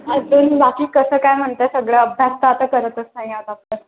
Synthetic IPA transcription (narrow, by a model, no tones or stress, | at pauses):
ɦalt̪uːnbakiːkəsəːkajm̤əɳt̪əsəɡɭjaəbʱjast̪aːt̪əkəɾət̪əsnaɦiawt̪ap̚t̪əɾ